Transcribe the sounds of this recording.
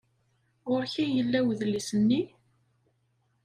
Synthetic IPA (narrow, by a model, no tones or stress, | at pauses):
ʊɾçijəlːæwðlisənːi